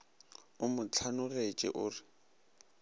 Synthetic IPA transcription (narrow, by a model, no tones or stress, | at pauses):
ʊmʊt͡ɬʰanʊret͡ʃʼɪ̰ʔʊːrɪ